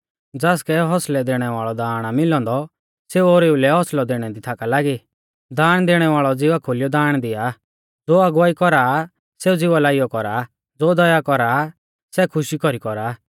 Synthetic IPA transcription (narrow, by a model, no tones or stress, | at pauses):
d͡zaːskɛɦɔslɛd̪eːɽ̃ɛʋaːɭɔd̪aːɽ̃amɪlɔ̃ːnd̪ɔ | seːuoːɾeːulɛɦɔslɔd̪eːɽ̃ɛd̪it̪ʰakalaːɡi | d̪aːɽ̃d̪eːɽ̃ɛʋaːɭɔd͡zɪʋakʰoljɔd̪aːɽ̃d̪ɪja | d͡zoːɐɡʋaːikɔɾa | seːud͡zɪʋalaːijɔkɔɾaː | d͡zoːd̪ɔjakɔɾaː | sɛkʰʊʃikɔɾikɔɾaː